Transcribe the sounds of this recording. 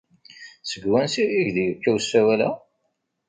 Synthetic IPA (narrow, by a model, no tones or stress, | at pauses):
səɡwænsiiʝðjəkːæwsːæwælæ̰